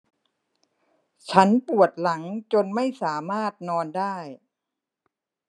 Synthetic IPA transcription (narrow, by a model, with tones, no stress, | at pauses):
t͡ɕʰa˦˥npu˨˩ət̪̚la˩˦ŋt͡ɕo˧nma˥˩jsaː˩˦maː˥˩t̪̚nɔː˧ndaː˥˩j